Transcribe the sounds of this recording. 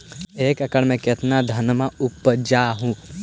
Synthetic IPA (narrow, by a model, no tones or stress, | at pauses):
eːkɐkəɽmẽket̪nad̪ʱɐnmaʊpːd͡ʒaːɦũː